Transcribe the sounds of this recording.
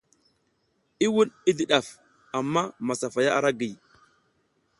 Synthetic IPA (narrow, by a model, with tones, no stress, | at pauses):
i˦wu˦ni˦di˨ɗa˨f | a˨mːa˦ma˨sa˨fa˨ja˦ʔa̰˨ɾa˦ɡi˨